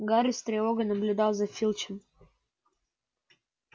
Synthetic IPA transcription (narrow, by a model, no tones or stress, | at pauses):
ɡaɾʲɪst̪ɾʲeoɡənəblʲʊd̪ɑlˠzɐfʲilʲˠt͡ɕɪm